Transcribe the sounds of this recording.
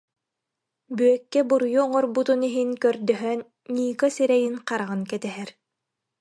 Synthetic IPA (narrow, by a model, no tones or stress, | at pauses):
byœkːɛbuɾjuɔŋɔɾbut̪uniɦinkœɾd̪œɦœnː | iːkasɛɾɛjinqaɾaʁɯnkɛt̪ɛɦɛɾ